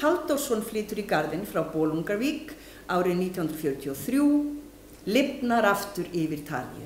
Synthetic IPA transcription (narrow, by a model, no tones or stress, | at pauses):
alt̪ɔlsɔnflɪːt̪ʏɾikaɾðɪnfɾawpɔːluŋkaɾviːk | aːwɾɪniːt̪ʰjihʏnɾafjœɾt̪ʰiɔθɾjuː | lɪpnaɾaft̪ʏɾɪvɪɾ̥t̪ʰa̰ːlḭʏ̰